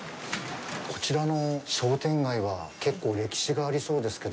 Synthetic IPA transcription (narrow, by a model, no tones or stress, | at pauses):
ko̞̥t͡ɕiɾano̞ɕo̞ːt̪ẽ̞ŋɡaiβake̞kːo̞ːɾe̞kʲi̥ɕiɡaːɾʲiso̞ːd̪e̞sɨ̥ke̞d̪